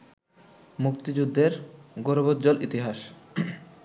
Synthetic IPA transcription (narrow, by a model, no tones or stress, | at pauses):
mukt̪id͡ʑud̪ʱːeɾɡoɾbodd͡ʑolʔit̪iɦaʃ